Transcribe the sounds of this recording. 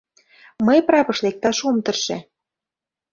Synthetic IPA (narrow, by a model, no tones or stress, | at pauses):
mɤjpɾɑpɤ̆ʃlek̚t̪ɑʃumt̪ɤ̆rʃḛ